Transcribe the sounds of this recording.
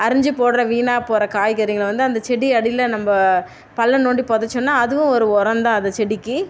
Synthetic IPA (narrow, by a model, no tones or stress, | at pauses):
ɐɾɪɲd͡ʒɯpoːɽɯɾɐʋiːnaːpoːɾɐkaːjkɐɾɪŋɡɐlʋɐnd̪ɯɐnd̪ɐt͡ʃɛɽiɐɽɪlɐnɐmbɐ | pɐlːɐnoːɳɖipɔðɐt͡ʃːʊ̃nːaːɐðɯʋʊ̃ɔɾɯɔɾɐnd̪ãːɐnd̪ɐt͡ʃɛɽɪkːɯ